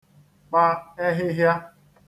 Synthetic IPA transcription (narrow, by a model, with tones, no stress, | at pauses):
k͡pa˦e˦ɦɪ˦ɦja˦